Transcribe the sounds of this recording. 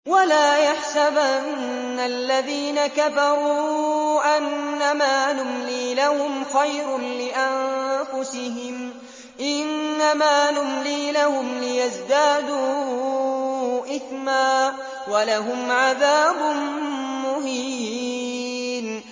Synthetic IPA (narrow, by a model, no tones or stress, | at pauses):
walaːjaħsabʔa | nː | alːaðiːnakafɑɾˤuːʔanːamaːnʊmliːlahʊmxajɾnlɪʔanfʊsɪɦɪm | ʔɪnːamaːnʊmliːlahʊmlɪjazd̪aːd̪uː | ʔɪθmaː | walaɦʊmʕaðaːbʊnːʊhi | n